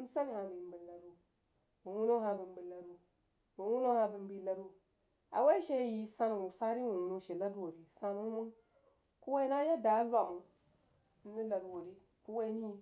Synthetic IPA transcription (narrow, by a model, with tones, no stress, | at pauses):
u˦sa˦n˨ha˨bi˨m˦bi˨la˨du˦ | wu˨wu˦no˦ha˨bi˨m˦bi˨la˨ɾu˦ | mu˨wu˦no˦ha˨bɨ˨nbi˦la˨ɾu˦ | a̰˨we˦ʃe˦ji˨sa˦n˨u˨sa˦ɾi˦wu˨u˨no˦ʃe˨la˦dwo˨ɾi˨sa˦n˦u˦mu˦n | ku˦we˦i˦na˦ja˦da˨˦la˨u˨˦ | ni˦la˨dwo˨ɾi˦ | ku˦wa˦ni˦˨˦